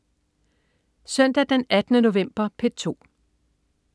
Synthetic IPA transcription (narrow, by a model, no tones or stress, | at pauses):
sœn̰d̥æd̥enæd̥nəno̝ʋem̰b̥ɐpʰe̝̥t͡sʰo̝̰ː